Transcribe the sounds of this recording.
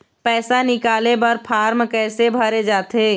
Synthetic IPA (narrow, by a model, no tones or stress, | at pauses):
pɛːsanɪkaːlebɐɾpʰaːɾmkɛːsebʱəɾed͡ʒaːt̪eː